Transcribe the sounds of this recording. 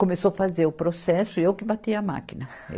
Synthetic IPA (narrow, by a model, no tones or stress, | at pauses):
komesofazeɾʊpɾosɛsʊɪewkɪbat̪iɐɐma̰kinɐ̰